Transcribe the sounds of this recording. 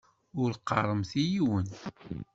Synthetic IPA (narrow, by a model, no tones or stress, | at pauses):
ʊɾqːɑ̰rˤəmθijiwən